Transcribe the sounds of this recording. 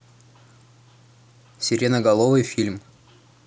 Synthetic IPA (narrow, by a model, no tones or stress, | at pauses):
sʲɪɾʲenəɡɐlˠovɨjfʲilʲm